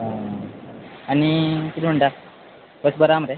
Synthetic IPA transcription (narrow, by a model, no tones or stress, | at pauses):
añikit̪im̤əɳʈa | pəsbəɾaməɾe